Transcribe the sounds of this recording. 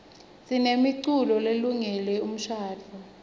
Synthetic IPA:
sinemiǀulɔleluŋɛlɛum̩ʃaːt͡fʰɔ

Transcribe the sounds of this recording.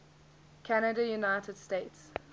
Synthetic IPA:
kʰænədəjunaɪtʰəd̥steɪts

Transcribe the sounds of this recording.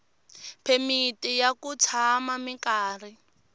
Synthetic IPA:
pʰemitijakut͡sʰamamikaːr̤i

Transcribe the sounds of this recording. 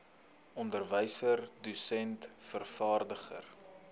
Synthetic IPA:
ɔndərvəjsərdusɛntfərfɑːrdəχə̰r

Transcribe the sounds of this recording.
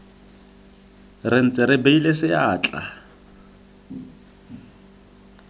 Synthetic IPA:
rɪn̩t͡sʼɪɾɪbeilesɪaːt͡ɬʼa̰

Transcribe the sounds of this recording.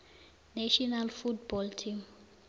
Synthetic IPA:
naʃɔnalfutbɔltʰim

